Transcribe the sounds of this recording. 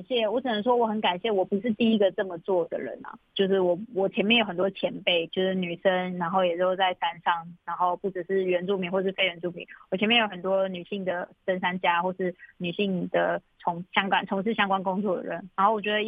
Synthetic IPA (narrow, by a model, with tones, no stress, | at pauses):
ɕjɛ˥˩wɔ˧˥ʈ͡ʂʰə˨˩nə˧˦ŋʂ̬wɔ˥wɔ˨˩xə˧˦nka˨˩nɕjɛ˥˩wɔ˨˩pu˧˦ʂɻ̩˥˧t̪i˥i˥ɡə˨ʈ͡ʂɤ˥˩mə˨t͡swɔ˥˩d̪ə̰˨˩ɻə̰˧˦nɐ̰˩t͡ɕjo˥˧ʊʂ̬ɻ̩˥˩wɔ˨˩wɔ˨˩t͡ɕʰɛ˧˥mjɛ˥˩njo˧˩xə˨˩t̪wɔ˥t͡ɕʰjɛ˧˥npe˥˩ɪt͡ɕjo˥˧ʊʂɻ̩˥˩ny˨˩ʂə˦˥ŋna˧˥nxo˥˩ʊjɛ˨˩ɹ̩˥˩o˧˩t͡sa˥˩ɪsa˥nʂɑ˥˩ŋa˧˥nxo˥˧ʊpu˥˩ʈ͡ʂɻ̩˨˩ʂɻ̩˥˩ɥɛ˧˦˥nt͡su˥˩pi˨˦ŋwɔ˥˧˩ə˩ʂ̩˥˧fe˥ɪɥɛ˧˥nt͡su˥˩pʰḭ˨˦wɔ˨˩t͡ɕʰɛ˧˥nmjjo˧˥ʊə˩t̪wɔ˦˥ny˨˩ɕi˥˩ŋd̪ə˩ʂə˥nʂa˥nt͡ɕja˥xwɔ˥˧əʂɻ̩˥˩ny˨˩ɕi˥˩ŋd̪ə̰˩t͡sʰʊ˧˦˥ŋɕjɑ˥ŋkwa̰˥˩nt͡sʰʊ˧˥ŋʂ̬ɻ̩˥˩ɕjɑ˥ŋkwa˥nkʊ˥ŋt͡swɔ˥˩d̪ə̰˩ɻə˧˦nɻa˧˥nxo˥˩wɔ˨˩t͡ɕɥɛ˧˥d̪ə˧˥